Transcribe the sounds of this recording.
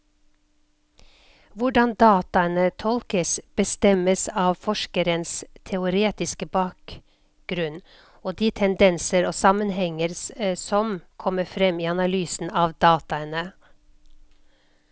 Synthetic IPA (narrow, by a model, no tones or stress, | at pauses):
ʋʊɖɑnd̪ɑːt̪ɑənət̪ʰɔlkəsb̥əst̪ɛməsɑːʋfɔʃkəɾənst̪ʰɛʊɾeːt̪ɪskəbɑːk̚ | ɡɾʉn | oːd̪iːt̪ʰɛnd̪ɛnsəɾoːsɑmənhɛŋəɾssɔmkʰɔməfɾɛmiːɑnɑlyːsn̩ɑːʋd̪ɑːt̪ɑənə